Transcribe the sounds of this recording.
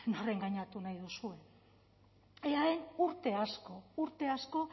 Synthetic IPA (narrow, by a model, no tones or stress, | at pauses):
nore̞ŋɡaɲat̪unajðusue̞ | eaenuɾt̪e̞asko̞uɾt̪e̞asko̞